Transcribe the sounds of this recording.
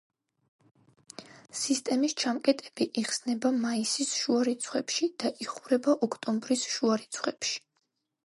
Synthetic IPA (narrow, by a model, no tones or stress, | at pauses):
sist̪ʼɛmist͡ʃʰamkʼɛt̪ʼɛb̥iʔiχsnɛbamaisisʃuaɾit̪sʰχwɛpʃid̪̥aʔiχuɾɛbaʔɔkʰt̪ʼɔmbɾisʃuaɾit̪sʰχwɛpʃi̥